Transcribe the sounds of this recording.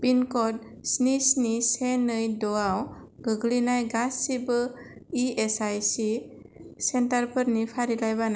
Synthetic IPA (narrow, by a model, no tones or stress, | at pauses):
b̥inkɔd̚ | snisnisenɯjdɔaw | ɡɯɡlinajɡasːibɯ | iesajsi | sentaɾpʰəɾnipʰaɾilajβana